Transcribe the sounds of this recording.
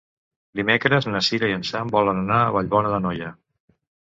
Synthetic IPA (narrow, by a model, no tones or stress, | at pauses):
d̪imekɾəznəsiɾəiənsambɔlənənaəβəʎβɔnəðənɔjə